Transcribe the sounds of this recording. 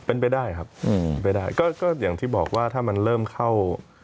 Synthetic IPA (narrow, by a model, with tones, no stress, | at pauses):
pe˧npa˧jdaː˥˩jkʰa˦˥p̚ːnp̬a˧jdaː˥˩jkɔː˥˩kɔː˥˩jaː˨˩ŋt̪ʰiː˥˩bɔː˨˩k̚waː˥˩t̪ʰaː˥˩ma˧nɾɤː˥˩mkʰa˥˩w